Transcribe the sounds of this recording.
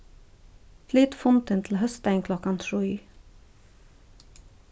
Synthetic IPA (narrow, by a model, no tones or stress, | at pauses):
fliːt̪fʊnt̪ənt̪ʰl̩hœst̪æɪŋkʰlɔkɑnt̪ʰɹuiː